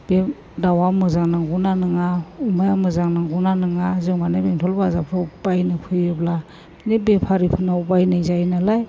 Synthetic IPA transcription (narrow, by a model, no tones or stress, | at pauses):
b̥e | dawamɯzaŋnaŋɡunanɯŋaumajamɯzaŋnaŋɡunanɯŋazɯŋmanɯbeŋtʰɔlbazapʰɾɯbajnɯkʰɯjɯbla | nebepʰaɾipʰɯnaubajnɯjzajnalaj